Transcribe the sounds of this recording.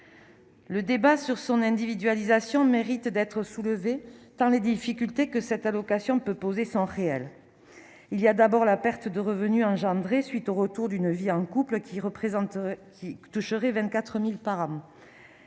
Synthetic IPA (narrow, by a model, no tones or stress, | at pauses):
ləd̪ebasyʁsɔ̃nɛ̃d̪ivid̪ɥalizasjɔ̃meʁit̪d̪ɛt̪χəsuləvet̪ɑ̃led̪ifikʲylt̪ekəsɛt̪alɔkasjɔ̃pøpozesɔ̃ʁeɛl | iliad̪abɔʁlapɛʁt̪əd̪əʁəvənyɑ̃ʒɑ̃d̪ʁesɥit̪oʁət̪uʁd̪ynviɑ̃kupləkʲiʁəpχẽkʲit̪uʃəʁɛvɛ̃nt̪̚kat̪χəmilpaʁɑ̃